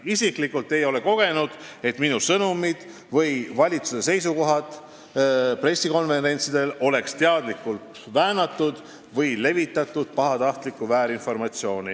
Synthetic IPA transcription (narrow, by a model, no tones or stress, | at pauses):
isiklikːult̪ːejo̞le̞ko̞ɡ̥e̞nud̪̥e̞t̪minusɤnumid̪̥ | vɤjvɑlʲit̪suses̬e̞js̬uko̞ɦɑt̪ | pre̞sːiko̞nve̞ɾe̞nʲt̪sid̪̥e̞lo̞le̞kst̪eɑd̪likːult̪ | væːnɑt̪ːˑud̪̥ | vɤjle̞vit̪ːˑɑt̪ːˑud̪̥̚pɑɦɑt̪ɑht̪likːˑuvæːɾinfo̞rmɑt̪sio̞ːnʲi